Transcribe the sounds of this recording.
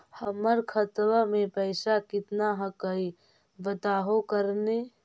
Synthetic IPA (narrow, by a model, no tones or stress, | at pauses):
həməɾkʰət̪ɾamẽpəɪsakɪt̪naɦəkəi | bət̪aːɦokəɾne